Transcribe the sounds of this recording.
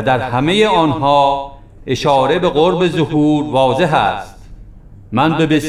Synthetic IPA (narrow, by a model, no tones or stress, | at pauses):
d̪æɾhæmejeɒːnhɒː | eʃɒːɾe̞beɣoɾbezohuːɾvɒːze̞ɦæst̪̚ | mænbebes